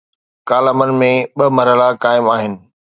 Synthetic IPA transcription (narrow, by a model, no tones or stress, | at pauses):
kaːləmənɪ̆mẽɓɐmɐɾɦəlakaːɪmaːɦɪnɪ̆